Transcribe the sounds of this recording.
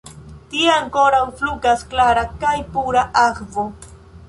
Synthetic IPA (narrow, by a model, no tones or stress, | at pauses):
t̪iaŋkoɾawflʊɡasklaɾakajpuɾaʔakvo